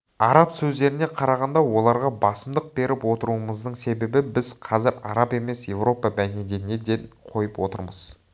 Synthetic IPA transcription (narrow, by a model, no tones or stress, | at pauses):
ɑɾɑpsɵzd̪e̞ɾɪne̞qʰɑɾɑʁɑnd̪ɑwo̞lˠɑɾʁɑbɑsəmd̪əq̚be̞ɾɪpwo̞t̪əɾuəməzd̪əɴse̞be̞bɪbɪzqʰɑzɪɾɑɾɑpe̞me̞sje̞vro̞pɑbæned̪ene̞d̪enqʰo̞jəpwo̞t̪əɾməz̥